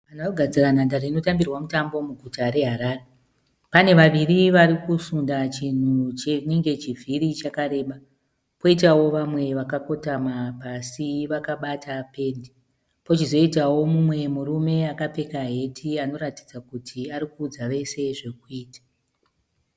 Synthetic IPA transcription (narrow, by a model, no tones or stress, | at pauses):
anaoɡʱad͡ziranandarino̞tambirwamutambo̞muɡʱutaɾe̞ɦaɾaːre | pane̞ʋaʋiriʋaɾikusundat͡ʃin̤ut͡ʃeneŋɡe̞t͡ʃivʱiɾit͡ʃakaɾe̞ːɓa | po̞it̬awo̞ʋamwe̞ʋakako̞tamapasiʋakaɓatape̞ndi | po̞t͡ʃizo̞itawo̞mumwe̞murume̞akape̞kaɦe̞tʰiano̞ɾatid͡zakutʰiaɾikuːd͡zaʋe̞se̞ʐe̞k̚uiːtḁ